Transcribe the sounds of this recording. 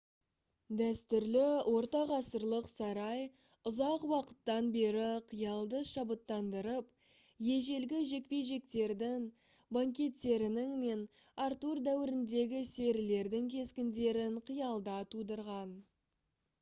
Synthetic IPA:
d̪æst̪ʏɾlɪwʔo̞ɾt̪ɑʁɑsəɾlˠəqsɑɾɑj | ʊzɑqwɑqə̥t̪ːɑnbe̞ɾɪqʰijɑlˠd̪əʃɑbət̪ːɑnd̪əɾəp | je̞ʒe̞lɡʲɪʒe̞k̚pe̞jʒe̞k̚t̪e̞ɾd̪ɪŋ | baŋkʲe̞t̪ːe̞ɾɪnɪŋme̞n | aɾt̪uɾd̪æwɪɾɪnd̪e̞ɡʲɪse̞ɾɪle̞ɾd̪ɪŋkʲʰe̞skʲɪnd̪e̞ɾɪɴqʰəjɑlˠd̪ɑt̪ʰud̪əɾʁɑn

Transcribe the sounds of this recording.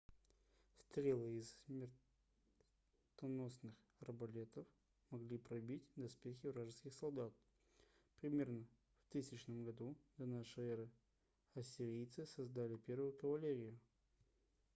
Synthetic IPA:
st̪ɾʲelˠɨɪssmʲɪr | t̪ɐno̞snɨx | rəbɐlʲe̞t̪əf | mɐɡlʲipɾɐbʲitʲd̪ɐspʲexʲɪvɾaʐɨskʲɪxsɐlˠd̪at̪̚ | pɾʲɪmʲe̞rnə | ft̪ɨsʲɪt͡ɕnəmɡɐd̪ud̪ɐnaʂɨjɛɾɨ | ɐsʲɪɾʲijt̪sɨsɐzd̪alʲɪpʲe̞rvʊjʊkəvɐlʲeɾʲɪjʊ

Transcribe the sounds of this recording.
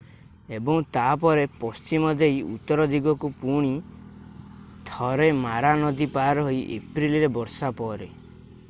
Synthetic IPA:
ebɔŋt̪ap̬ɔɾepɔst͡ʃimɔd̪ejṵt̪ːɔɾɔd̪iɡɔkupuɽ̃i | t̪ʰɔɾemaɾanɔd̪ipaɾɦoiʔḛpɾiliɾebɔɾsapɔɾe

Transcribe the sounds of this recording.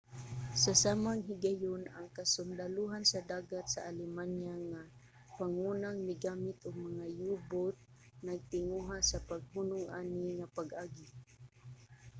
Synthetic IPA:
sasaːmaŋɦɪɡajʊnaŋkasʊnd̪aluɦansad̪aːɡat̪saʔalɪmanjaŋa | paŋunaŋnɪɡaːmɪt̪ʊɡ̚maŋajuːbʊt̪̚ | naɡ̚t̪ɪŋuɦasapaɡ̚hunʊŋʔaːnɪŋapaɡʔaːɡɪ

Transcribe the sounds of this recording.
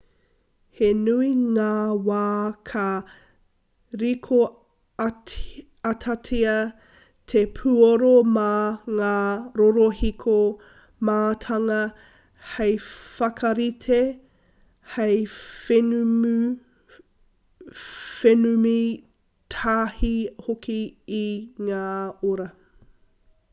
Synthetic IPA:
henuiŋaːwaːkʰɐ | ɾikʰo | ɐtʰatʰiɐ | tʰepʰuoɾomɐŋaːɾoɾohikʰo | maːtʰɐŋɐ | hejfɐkʰɐɾitʰe | hejfn | fenumi | tʰaːhihokʰiiŋaːoɾɐ

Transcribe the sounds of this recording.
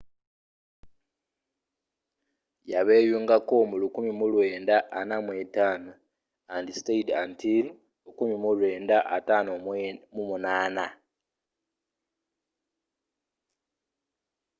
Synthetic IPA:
jaβeːjuŋɡakomulukumimulwe̞ːndaʔːnamwetaːno | andisteidantil | ukumimulwe̞ːndaʔatanomumunaːna

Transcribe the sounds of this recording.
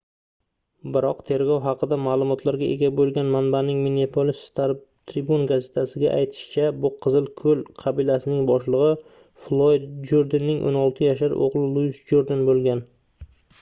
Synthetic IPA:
bɪɾɒqt̪ʰe̞ɾɡʲɒwɦɑqʰɨd̪amaːlˠʊmɒt̪ʰlaɾɡʲaʔe̞ɡʲabolˠɡʲanmanbanɪŋmenepʰolis | t̪ʰɾibunɡaze̞̥t̪ʰasɪɡʲa̰ʔajt̪ʰɪ̥ʃɪ̥t͡ʃʰabʊqʰɨzɪlˠkʰɵlˠqʰɑbilasɪnɪŋbɒʃlˠɨʁɨ | flˠod̪d͡ʒoɾd̪ɪnːɪŋʔo̰nɒlˠt̪ʰɪjaʃaɾo̰ʁlˠɪlˠuɪsd͡ʒoɾd̪ɪnbolˠɡʲan

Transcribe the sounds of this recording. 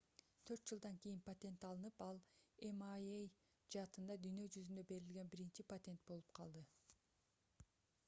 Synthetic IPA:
t̪ʰø̞ɾt̪̚d͡ʒɨlˠd̪ɑŋkijinpat̪ʲe̞nt̪ɑlˠɯnɯpɑlˠemaej | d͡ʒɑːt̪ɯnd̪ɑd̪yjnø̞d͡ʒyzynd̪øbe̞ɾilɡʲe̞nbiɾint͡ʃipat̪ʲe̞nt̪̚bo̞lˠu̥pqʰɑlˠd̪ɯ

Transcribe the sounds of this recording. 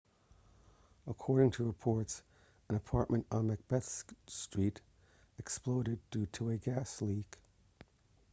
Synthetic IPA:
əkʰɔɹɾɪ̃ŋtʰɨɹɨpʰɔɹts | ɨ̃nəpʰɑɹʔ̚mɨ̃ntn̩mɨk̚b̥ɛθstɹ̥iɾ | ɨksploʊɾɨd̚ʉɾəɨɡæslik

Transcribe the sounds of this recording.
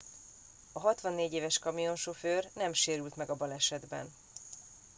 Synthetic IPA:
ɒɦɒt̪ʋɒnːeːɟeːvɛʃkɒmijo̞nʃoføːrnɛmʃeːɾylt̪mɛɡɒbɒlɛʃɛd̪bɛ̰n

